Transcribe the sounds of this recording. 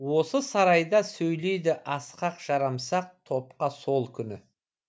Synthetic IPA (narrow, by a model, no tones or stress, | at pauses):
wo̞səsɑɾɑjd̪ɑsɵjle̞jd̪ɪʔɑsqɑqʒ̥ɑɾɑmsɑq̚t̪ʰo̞pqɑso̞lˠkʲʰʏnɪ